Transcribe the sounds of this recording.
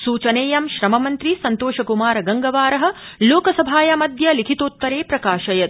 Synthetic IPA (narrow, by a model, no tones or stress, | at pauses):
suːt͡ʃɐneːjɐmʃɾɐmɐmɐnt̪ɾisɐnt̪oːʃɐkumaːɾɐɡɐŋɡɐʋaːɾɐɦɐ̆ | loːkɐsɐbʱaːjɐmɐd̪ʱjɐlikʰit̪oːt̪ːɐɾeːpɾɐkaːʃɐjɐt̪̚